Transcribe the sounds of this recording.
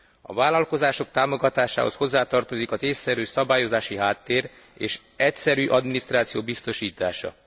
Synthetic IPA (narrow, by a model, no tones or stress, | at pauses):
ɒ̰vaːlɒlko̞zaːʃo̞k̚t̪aːmo̞ɡɒt̪aːʃa̰ːɦo̞̰sho̞zːaːt̪ɒrt̪ozikɒzeːsːɛɾøːsɒbaːjo̞zaːʃiɦaːt̪ːeːɾ | eːʃ | ɛcsɛɾyːʔɒd̪minist̪raːt̪sijoːbist̪o̞ʃiːt̪aːʃɒ̰